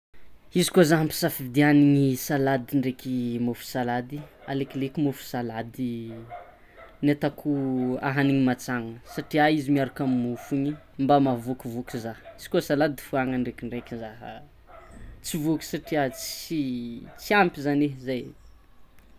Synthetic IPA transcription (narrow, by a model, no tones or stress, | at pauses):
izi̥kozaɦampi̥safivd̪ianiŋisalad̪iɳɖ͡ʐekʲimofu̥salad̪ia̰leklekʲimufu̥salad̪i | net̪akʰua̰ɦaniŋimat͡saŋəsaʈ͡ʂiaizimiaɾakamimufuɲi | mbamavukuvukʲuzahiz̥i̥kosalad̪ifuaŋəɳɖ͡ʐekʲiɳɖ͡ʐekʲizaɦə̰ | t͡sivuku̥saʈ͡ʂiat͡sit͡siampizanezaj